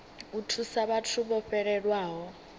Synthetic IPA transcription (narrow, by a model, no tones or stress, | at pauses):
utʰusaβatʰuɓɔɸɛɺɛɺwaːɦɔ